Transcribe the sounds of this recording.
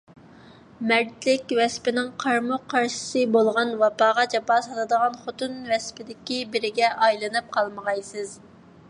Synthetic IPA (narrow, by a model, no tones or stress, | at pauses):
mɛɾt̪lɪkʲwɛspɪnɪŋqʰɑɾmʊqʰːɑɾʃi̥sɨbolˠʁɑnwɑpɑːʁɑd͡ʒɑpɑsɑlˠɨd̪əʁɑnχot̪ɨnvɛspʰɪd̪ɪkʲibɪɾɪɡʲɛʔɑjlˠɨnɨp̚qʰɑlˠməʁɑjsɨz